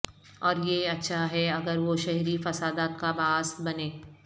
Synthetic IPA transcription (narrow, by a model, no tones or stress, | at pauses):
ɔːɾjeɐtːʃʰaɦɛɐɡəɾʋoʃɛɦɾifɐsaːd̪aːt̪kabaːst̪bɐneː